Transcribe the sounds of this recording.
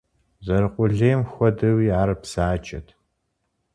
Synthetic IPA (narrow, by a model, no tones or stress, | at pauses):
zɐɾɨqʷʊɮeːmxʷɔdɐwiːaːɾɨpsaːt͡ʃʼɐ̰tʰ